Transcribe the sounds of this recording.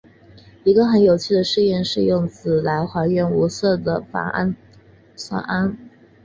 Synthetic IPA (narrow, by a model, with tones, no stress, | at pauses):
i˧˥ɡə˧xə˧˥njo˨˩ʊt͡ɕʰy˥˩ə˩ʂɻ̩˥˧jɛ˥˧nʂɻ̩˥˧jʊ˥˩ŋt͡sɹ̩˨˩la˧˥ɪxwa˧˥ɪɥɛ˥˩nu˧˥sɤ˥˩d̪ə˩fa̰˨˩ŋa˥n | sa̰˥˩a˥n